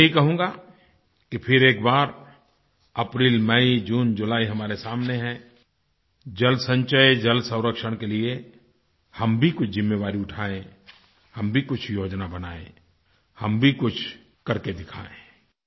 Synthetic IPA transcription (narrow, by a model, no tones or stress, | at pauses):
mɛɦikɐɦũːŋɡa | kipʰɪɾeːkbaːɾ | ɐpɾiːlmɛid͡ʒuːnd͡ʒʊlaːiɦɐmaːɾesaːmneɦɛ̃ | d͡ʒɐlsə̃ɲt͡ʃəed͡ʒɐlsə̃ʊ̃ɾəkʃəɽ̃kelie | hɐmbʱikʊt͡ʃʰzɪmːeʋaːɾiʊʈʰaːẽ | hɐmbʱikʊt͡ʃʰjoːd͡ʒnabɐnaːḛ̃ | hɐmbʱikʊt͡ʃʰ | kɐɾked̪ɪkʰa̰ːḛ̃ː